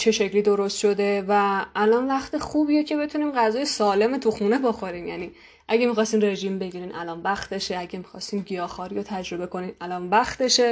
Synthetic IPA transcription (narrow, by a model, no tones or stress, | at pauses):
t͡ʃʰe̞ʃe̞cliːd̪o̞ɾost̪ʃo̞d̪e̞væːlɒnvæxt̪ʰe̞xubijecʰe̞be̞t̪ʰuniːmɢæzɒːjesɒːle̞met̪ʰuxuːneboxo̞ɾimjæ̰niː | ʔæɟemixɒːst̪iːnre̞ʒiːmbe̞ɟiɾiːnʔæ̰lɒːnbæxt̪e̞ʃeæɟemixɒst̪iːmɟijɒːxɒːɾiːjot̪ʰæd͡ʒɾo̞be̞ko̞niːnælɒːnbæxt̪e̞ʃe